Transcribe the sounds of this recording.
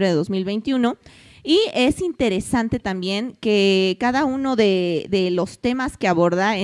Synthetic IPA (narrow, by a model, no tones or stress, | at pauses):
ɾeðeðo̞zmilβe̞jnt̪juno̞ | ie̞sint̪e̞ɾe̞sant̪e̞t̪ambje̞ŋke̞kaðauno̞ðe̞ðe̞lo̞st̪e̞maskeaβo̞ɾðae